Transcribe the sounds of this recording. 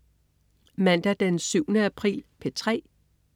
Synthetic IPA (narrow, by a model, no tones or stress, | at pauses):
mæn̰d̥æd̥ensyʊ̰nəæpʰʁḭːlpʰe̝t͡sʰʁɛ̰ː